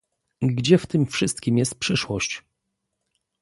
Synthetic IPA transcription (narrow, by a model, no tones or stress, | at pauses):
ɡɡd͡ʑɛft̪ɘmfʂɘst̪kʲimjɛst̪̚pʂɘʂwɔɕt͡ɕ